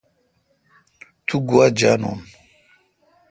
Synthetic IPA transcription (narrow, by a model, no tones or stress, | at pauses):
t̪ʰuɡuad͡ʑaːno̰ːn